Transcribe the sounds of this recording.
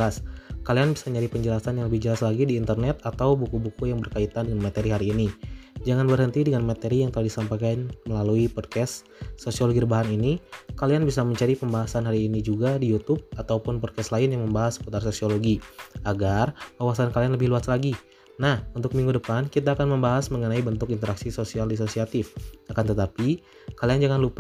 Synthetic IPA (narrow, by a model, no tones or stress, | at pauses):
laskalianbisaməɲaɾipəɲd͡ʒəlasanjaŋləbɪhd͡ʒəlaslaɡidiːnt̪ərnɛt̪̚at̪awbukubukujaŋbərkait̪andəŋanmat̪eɾiɦaɾiːnid͡ʒaŋanbərhənt̪idəŋanmat̪eɾijaŋt̪əlahdisampajkanməlaluipɔd̚kɛsː | osioloɡidibaɦaninikalianbisaməɲt͡ʃaɾipəmbaɦasanɦaɾiːnid͡ʒuɡadijut̪ʊb̚at̪awpʊnpɔd̚kɛslaɪnjaŋməmbaɦasə̥put̪arsosioloɡiaɡarkawasankalianləbɪhluaslaɡi | nahunt̪ʊk̚miŋɡudəpankit̪aːkanməmbaɦasməŋənaibənt̪ʊkint̪əɾaksisosialdis̬osiat̪ɪfakant̪ət̪api | kaliand͡ʒaŋanlup